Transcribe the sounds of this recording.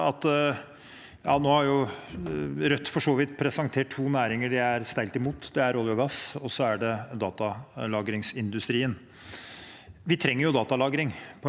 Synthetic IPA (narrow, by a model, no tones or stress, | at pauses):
ɑt̪ | jɑ̰ːnoːhɑɾjʊ | ɾœt̪ːfɔʂoːʋɪt̪pʰɾɛsɑŋt̪ʰeːʈʰːuːnæːɾɪŋəɖɪæɾst̪æɪlt̪ɪmuːt̪d̪ɛæɾoːljɔɡɑsɔsːɔæɖɛd̪ɑːt̪ɑlɑːɡɾɪŋsɪnd̪ʉst̪ɾiːən | ʋɪt̪ʰɾɛŋːəɾjʊd̪ɑːt̪ɑlɑːɡɾɪŋpʰɔ